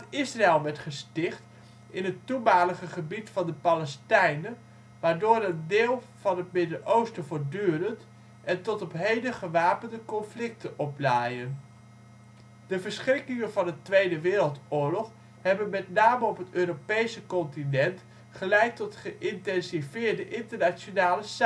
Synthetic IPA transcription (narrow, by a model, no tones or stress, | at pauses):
ɪsraɛlˠʋɛɹtχəstɪχt | ɪnɦətumaːləχəχəbitfɑndəpalɛstɛjnə | ʋaːɹdoːɾəndeːlˠ | v̥ɑnɦətmɪdənʔowstəvoːɹdyːrənt | ʔɛntɔtɔpɦejdəχəʋaːpəndəkɔnflɪk̚təʔɔplaːjən | dəvəɹsχrɪkɪŋənvɑndətʋejdəʋɪːɾəlˠtʊːɹlɔχ | ɦɛbənmɛtnaːməɔpɦətøːɾopejsəkɔntinɛnt | χəlɛjtɔtχəʔɪntɛnsivɪːɹdəʔɪntəɹnat͡ʃonaːləs